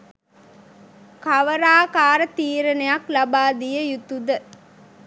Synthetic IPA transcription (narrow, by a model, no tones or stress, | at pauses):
kɐʋəɾaːkaːɾət̪iːɾənejaklɐbaːd̪ijəjut̪ud̪ə